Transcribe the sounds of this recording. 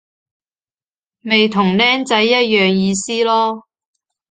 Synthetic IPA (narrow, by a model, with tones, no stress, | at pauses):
me˨jt̪ʰʊ˨˩ŋlɛː˥ŋt͡sɐ˨˥jːɐ˥t̚jœː˨ŋjiː˨˧siː˥lɔː˥